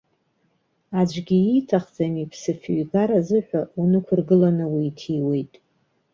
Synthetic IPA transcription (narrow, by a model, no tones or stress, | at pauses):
ad͡ʒʷɡʲiitʰaχd͡zamipʰsɨfɥɡaɾazɨħʷᶣaunɨkʷʰʊrɡɨlanɨwiːtʰiwe̞jtʼ